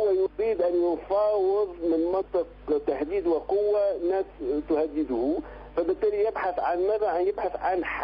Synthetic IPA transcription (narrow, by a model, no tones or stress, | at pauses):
wːæjɾiːd̪ʔænjʊnfɑːwəðˤmɪnmɑnt̪ˤɨqt̪ahd̪iːd̪wɪqʊwːanːæːst̪ʊhæd̪ːɪd̪ʊhu | fæbɪt̪ːæːlijɪbħaθʕanmæðæjɪbħaθʕanħ